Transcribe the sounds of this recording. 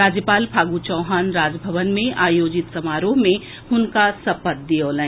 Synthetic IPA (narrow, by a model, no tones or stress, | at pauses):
ɾaːd͡ʒjəpaːlpʰaːɡut͡ʃɔʊɦaːnɾaːd͡ʒbʱɐʋənmẽʔaːjoːd͡ʒɪt̪sɐmaːɾoːɦmẽ | hʊnkasɐpət̪̚d̪ijoːlə̃